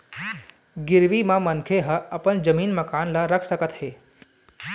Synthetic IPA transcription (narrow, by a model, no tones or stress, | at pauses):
ɡɪɾʋimãmənkʰeɦəəpənd͡ʒəmiːnməkaːnlaɾəkʰsəkət̪ɦeː